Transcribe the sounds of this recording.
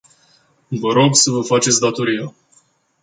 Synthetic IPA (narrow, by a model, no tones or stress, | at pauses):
vəɾo̞ɡsəvəfat͡ʃe̞t̪sʲd̪at̪o̞ɾija